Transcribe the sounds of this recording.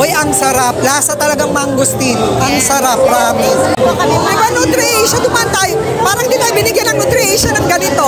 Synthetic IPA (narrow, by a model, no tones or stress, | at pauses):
ʔojɐŋsɐɾap̚laːsɐt̪ɐlɐɡaŋmɐŋɡʊst̪inʔɐŋsɐɾap̚ɾaːmɪɐɪbanʊnt̪ɾɪʔiʃɐd̪ʊmaɐnt̪aj | paːɾɐŋd̪it̪aːjbɪnɪɡjɐnɐŋʊnt̪ɾɪiʃɐnɐŋɡɐnɪt̪o̞